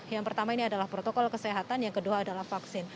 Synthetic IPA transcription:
jaŋpərt̪amainiadalahpɾot̪okɔlkəsɛɦat̪anjaŋkəduaːdalahfaksɪn

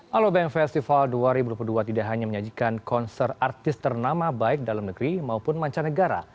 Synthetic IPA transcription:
ʔalobɛŋfɛst̪ifalduaɾibudupuduat̪idaʔɦaɲaməɲad͡ʒikankɔnsɛrart̪ɪst̪ərnamabaɪk̚dalamnəɡɾimaupʊnmaɲt͡ʃanəɡaɾa̰

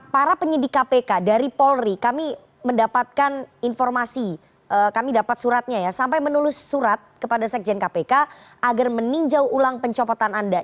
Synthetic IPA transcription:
paɾapəɲidɪkapekadaɾipɔlrikami | məndapat̪̚kaninfɔrmasi | ʔəkamidapat̪̚suɾat̪̚ɲajasampajmənulʊsːuɾat̪̚kəpadasɛk̚d͡ʒɛnkapeka | aɡarməniɲd͡ʒawulaŋpəɲt͡ʃɔpɔt̪ananda

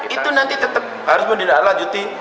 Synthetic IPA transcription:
it̪unant̪it̪ət̪əp̚haɾʊsməndidalad͡ʒut̪i

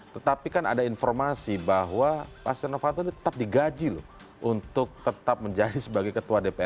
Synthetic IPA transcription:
t̪ət̪apikana̰dainfɔrmasibaɦwapa̰st̪ənafat̪odit̪ə̥t̪ap̚diɡad͡ʒilʊ̰ | ʔunt̪ʊk̚t̪ət̪ap̚məɲd͡ʒadisəbaɡajkət̪uadepeɛ

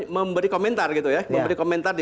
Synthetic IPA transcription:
məmbəɾikomɛnt̪arɡit̪ujamməmbəɾikomɛnt̪ardi

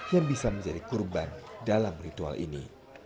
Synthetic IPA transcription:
jaŋbisamə̃ɲd͡ʒadikurbandalamrit̪ua̰lʔḭnḭ

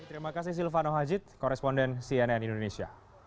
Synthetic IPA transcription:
t̪əɾimakas̬ɪhs̬ilfanɔɦad͡ʒɪt̪̚kɔɾɛspɔndɛnsiɛnɛnindonesia̰

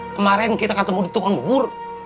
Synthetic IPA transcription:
kəmaɾɛnkit̪akat̪əmodit̪ukanwur

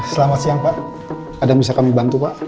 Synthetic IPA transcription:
səlamat̪siaŋpaʔ | adabisakamibant̪upaʔ

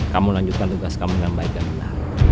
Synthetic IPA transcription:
kamulaɲd͡ʒut̪̚kant̪uɡaskamujanbaik̚danməndah

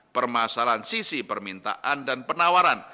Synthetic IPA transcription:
pərmasalansisipərmint̪a̰ʔandanpənawaɾan

